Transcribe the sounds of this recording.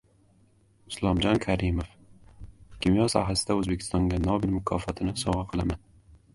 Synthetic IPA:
ʊslˠɒmd͡ʒɒnkʲʰaɾɪmof | kʲʰimjɒsa̰ɦlasɪd̪aɵzbe̞kʲʰɪ̥st̪ɒŋɡʲanɒbɪlmʊkʰɒfɒt̪ʰɪnɪsɒʁɑqʰɨlˠaman

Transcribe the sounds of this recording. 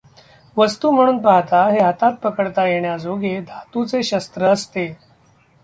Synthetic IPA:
ʋəst̪uːm̤əɽ̃uːnpaɦt̪aɦeɦat̪at̪̚pəkəɽt̪ajeɳjad͡zoɡed̪ʱat̪ut͡seɕəst̪ɾəːst̪e

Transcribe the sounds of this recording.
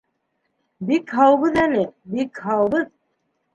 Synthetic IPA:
bikɦɑwβɤðælɘbikhɑwbɤð

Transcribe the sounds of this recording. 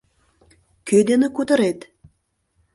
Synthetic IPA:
kød̪enĕkut̪ə̆ɾet̪

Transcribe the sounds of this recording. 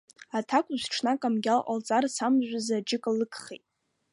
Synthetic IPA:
atʰakʷʼʊzʈ͡ʂʰnakʼamɡʲalʔa̰lt͡sʼarsamʒᶣʷazad͡ʒɪkʼlɨkʰʼχejtʼ

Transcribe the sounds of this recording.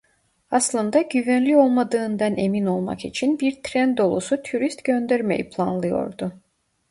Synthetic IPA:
aslˠɯnd̪aɟyvænlʲio̞lˠmad̪ɯːnd̪ane̞mino̞lˠma̰kit͡ʃʰinbiɾt̪ʰɾænd̪o̞lˠosut̪ʰuɾist̪ɟø̞nd̪æɾme̞jḭpʰlˠa̰nlˠɯjo̞̰ɾd̪ʊ

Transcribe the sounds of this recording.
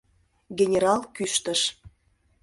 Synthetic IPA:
ɡʲenʲeɾɑlˠkyʃt̪əʃ

